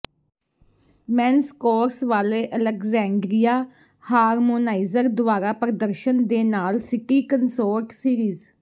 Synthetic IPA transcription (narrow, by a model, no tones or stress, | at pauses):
mɛːnskoːɾsʋaːleːʔələkzɛ̃ːɳɖɾijaː | haːɾmoːnaːɪzəɾd̪ʊaːɾaːpɾəd̪əɾʃənd̪eːnaːlsɪkiːkənsoːɾʈsiːɾiːz